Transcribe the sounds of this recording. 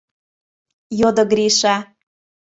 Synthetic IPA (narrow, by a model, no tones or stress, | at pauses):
jod̪oɡɾiʃa